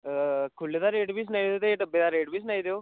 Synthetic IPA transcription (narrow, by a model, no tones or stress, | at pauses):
kʰʊlːed̪aːɾeːʈbʱiːs̬ənaːid̪eoːt̪eʈəbːeːd̪aːɾeːʈbʱiːs̬ənaːid̪eoː